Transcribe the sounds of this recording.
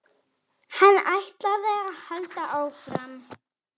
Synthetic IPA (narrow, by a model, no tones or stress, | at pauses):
hanːajht̪laðɛaðhœlt̪aʔaːwfɾam